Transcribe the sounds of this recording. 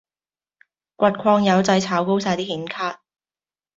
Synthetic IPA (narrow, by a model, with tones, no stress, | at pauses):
kʷɐ˨t̚kʷʰɔː˧ŋjɐ˨˧wt͡sɐ˧jt͡sʰaː˨˥wko˥wsaː˧jt̪iː˥hiː˨˥nkʰaː˥t̚